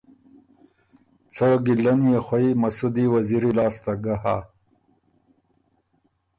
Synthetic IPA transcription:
t͡səɡilɐnijexwaimɐsud̪iwɐziɾilɑːst̪aɡaha̰

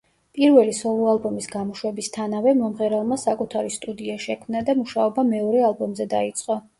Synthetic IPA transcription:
pʼiɾvɛlisɔlualˠbɔmisɡamɔʃwɛbist̪ʰanavɛmɔmʁɛɾalˠmasakʼut̪ʰaɾist̪ʼud̪iaʃɛkʰmnad̪amuʃaɔbamɛɔɾɛalˠbɔmzɛd̪ait̪sʼqʼɔ

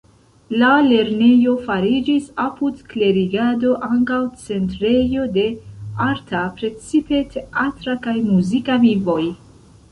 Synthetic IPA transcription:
lale̞ɾne̞jo̞faɾid͡ʒisapudkle̞ɾiɡado̞ʔaŋkawt͡se̞ntɾe̞jo̞de̞aɾtapɾe̞t͡sipe̞tʰe̞ʔatɾakajmuzikavivo̞j

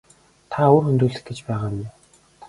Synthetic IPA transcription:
t̪ʰaʊrxɵnt̪uːɮɘ̆xɡet͡ɕpæːʁaːnʊ

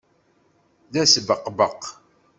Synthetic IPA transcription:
ðæsbəqːbəq

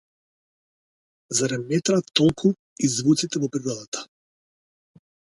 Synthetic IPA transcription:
zaɾɛmɛt̪ɾat̪ːɔlˠkʰu | izvut̪sit̪ɛvɔpɾiɾɔd̪at̪ḁ

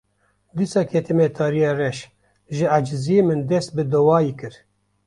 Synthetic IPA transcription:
d̪isɑːkʰɛt̪ʰimet̪ʰɑːɾijeːrɛʃ | ʒɨad͡ʒzijemɨnd̪ɛst̪̚bɨd̪ɔwɑːjikɨɾ

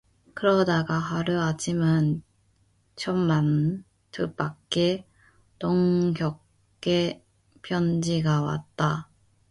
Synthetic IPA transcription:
kɯɾʌdaɡaɦaɾuat͡ɕʰiman | t͡ɕʰʌmman | tʰɯp͈akk͈e | toŋɡjʌk | k͈ːe | pʰjʌnd͡ʑiɡawa̰t̚t͈a

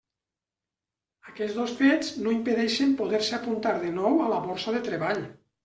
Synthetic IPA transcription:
akɛzðosfeznoimpeðɛʃempoðɛɾseapunt̪aɾðenɔwalaβɔɾsaðet̪ɾeβaʎ

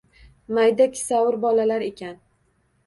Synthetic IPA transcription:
majd̪akʲʰɪ̥sawʊɾbɒlalaɾe̞kʲan

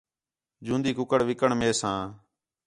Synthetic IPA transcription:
d͡ʒũːnd̪iːkʊkəɽʋɪkəɳmeːsãː

